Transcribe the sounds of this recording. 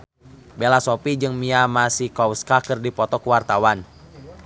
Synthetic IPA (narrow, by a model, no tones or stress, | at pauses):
belasopid͡ʒɨŋmiamasihkawskakɨrdipɔt̪ɔkəwart̪awan